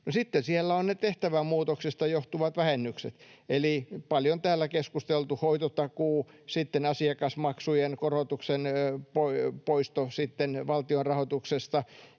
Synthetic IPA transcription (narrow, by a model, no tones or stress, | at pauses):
nosit̪ːensielːæonnet̪eht̪æʋæmuːt̪oksist̪ɑjoht̪uʋɑt̪ʋæhenːyksḛt̪elipɑljont̪æːlːækeskust̪elt̪uhoit̪ot̪ɑkuːsit̪ːenɑsiɑkɑsmɑksujenkorot̪uksenpopoist̪osit̪ːenʋɑlt̪ionrɑhot̪uksest̪ɑ